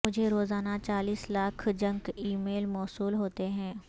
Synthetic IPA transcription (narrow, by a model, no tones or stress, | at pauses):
ʊd͡ʒʱeɾoːzaːnat͡ʃaːliːslaːkʰd͡ʒɐ̃ŋɡiːmeːlmɔːsuːlɦoːt̪eɦɛ̃ː